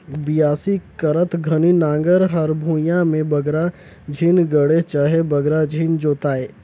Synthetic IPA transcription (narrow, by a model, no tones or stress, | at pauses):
bijaːsikəɾət̪ʰɡʱəninãːŋɡəɾɦəɾbʱũːjãmẽbəɡɾa | d͡ʒʱiːnɡəɽet͡ʃaːɦebəɡɾad͡ʒʱiːnd͡ʒoːt̪aːeː